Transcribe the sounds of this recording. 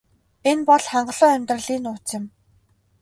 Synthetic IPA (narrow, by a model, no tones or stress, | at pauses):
enpɔɮχaɴɢə̆ɮʊːæmʲt̪rə̆ɮiːnʊːt͡sɪ̆m